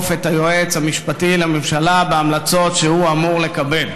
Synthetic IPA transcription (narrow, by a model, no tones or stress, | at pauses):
fet̪ajo̞et͡shamiʃpatilememʃalabeamlat͡so̞tʃehuamuʁle̞kabe̞l